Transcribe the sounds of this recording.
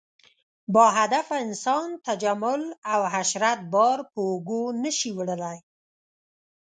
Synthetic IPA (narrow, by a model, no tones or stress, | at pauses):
bɑɦad̪afaɪnsɑnt̪ad͡ʒamʊlawɦaʃɾat̪̚bɑɾpəːɡonəʃiwɽəlaj